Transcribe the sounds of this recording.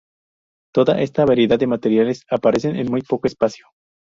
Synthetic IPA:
t̪o̞ða̰ʔe̞st̪aβaɾje̞ðad̪ːemat̪e̞ɾjale̞sapaɾe̞se̞nʔḛnmujpo̞koespasjo̥

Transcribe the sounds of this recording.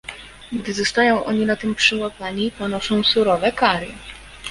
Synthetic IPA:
ɡd̪ɘzɔst̪ajɔ̃w̃ʔɔɲinat̪ɘmpʂɘwapaɲipɔnɔʂɔ̃w̃suɾɔvɛkaɾɘ

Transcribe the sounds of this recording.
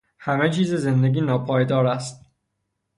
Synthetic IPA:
hæmet͡ʃʰiːzeze̞nd̪eɡʲiːnɒːpʰɒːjd̪ɒːɾæst̪̚

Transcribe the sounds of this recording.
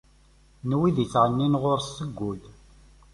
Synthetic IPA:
nwiðit͡sːʕənːinʁʊɾsəɡʷːʊl

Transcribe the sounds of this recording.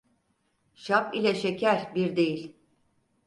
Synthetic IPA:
ʃapilʲɛʃecʰæɾbiɾd̪e̞jilʲ

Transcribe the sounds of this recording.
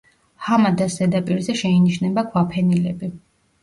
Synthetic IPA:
hamad̪asd̪ɛd̪apʼiɾzɛʃɛiniʃnɛbakʰwapʰɛnilɛbi

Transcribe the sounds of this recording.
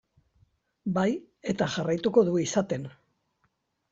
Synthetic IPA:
baj | e̞t̪aʝarajt̪uko̞ðuisat̪e̞n

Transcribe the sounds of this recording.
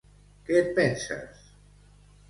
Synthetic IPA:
ket̪̚pɛnsa̰s

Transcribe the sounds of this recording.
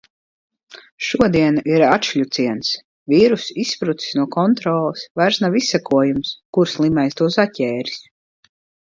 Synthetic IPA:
ʃuɔd̪iɛnaʔiɾatʃʎʲut̪siɛns | viːɾusispɾut̪si̥snuɔkɔnt̪ɾɔːlˠɨsvajɾsnavisːɛkuɔjumskuɾslˠimɛjst̪uɔsatʲɛːɾi̥s

